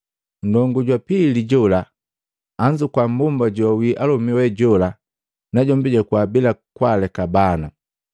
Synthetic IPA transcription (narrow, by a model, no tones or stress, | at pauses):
n̩dɔŋɡuɟwapiliɟɔlaː | ɲd͡ʒukwambumbaɟɔwiʔalɔmiwɛɟɔla | naɟɔmbiɟakuabilakwalɛkabana